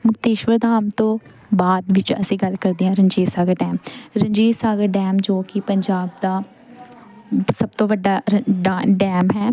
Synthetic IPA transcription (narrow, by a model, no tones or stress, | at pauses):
mʊkt̪eːʃʋəɾd̪ʱaːmt̪õː | baːd̪ʋɪt͡ʃə̰sĩːɡəlkəɾd̪iːãːɾəɲd͡ʒeːsaːɡəɖɛːmɾə̃ɲd͡ʒiːsaːɡəɾɖɛːmd͡ʒoːkɪpəɲd͡ʒaːb̚d̪aː | səb̚t̪õːʋəɖːaːɖɖɛːmɦɛː